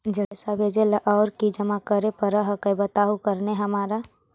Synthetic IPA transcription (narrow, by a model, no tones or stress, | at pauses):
d͡ʒəɽesabʱed͡ʒeləʔaʊɾkid͡ʒəmakəɾepəɾəɦəkəbət̪aːɦukəɾneɦəmaːɾa